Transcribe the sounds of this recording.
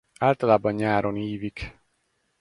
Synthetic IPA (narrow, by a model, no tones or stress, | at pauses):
aːlt̪ɒlaːbɒɲɲaːɾʔo̞niːvik